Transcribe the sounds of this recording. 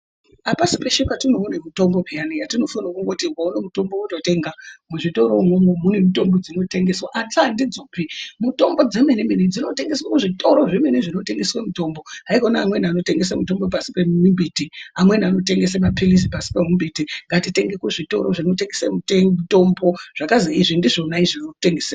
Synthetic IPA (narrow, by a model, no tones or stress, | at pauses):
apasi̥peʃukatinounemuto̞mbo̞pijanijatino̞fanakuŋɡotiwaunemuto̞mbouto̞te̞ːŋɡamuʐito̞ɾo̞momwemunemuto̞mbod͡zino̞te̞ŋɡeswaʔat͡saandid͡zoːpimuto̞mbo̞d͡ze̞menemened͡zino̞te̞ŋɡe̞swakuʐito̞ɾoʐimweneʐino̞te̞ŋɡe̞swamuto̞ːmbo̞ɦaikonaːmwe̞niano̞teŋɡes̬amuto̞mbo̞p̬asi̥pemumbitiamwe̞niano̞te̞ŋɡe̞semapiliz̬ipasi̥pemumbitiŋɡatite̞ŋɡekuʐito̞̰ɾoʐino̞teŋɡesḛmuteuto̞mbo̞ʐ̥akaziiʐindiʐonaiʐinouteŋɡesea